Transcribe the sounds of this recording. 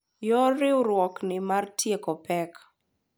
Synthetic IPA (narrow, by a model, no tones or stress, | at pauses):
jɔɾɪwɾwɔknɪmartjekɔpɛk